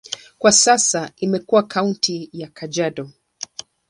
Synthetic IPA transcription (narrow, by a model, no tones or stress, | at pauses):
kwasasaimɛkuwakauntʰijakad͡ʒaɗɔ